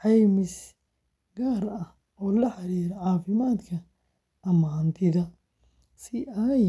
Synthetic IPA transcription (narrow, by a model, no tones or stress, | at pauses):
ʕɑjmɪs | ɡaːɾɐh | ʔɔːlɐħɑɾiːɾɐʕɑːfɪmaːd̪kʰɐ | ɐmaːnt̪ʰɪðɐ | sɪɐj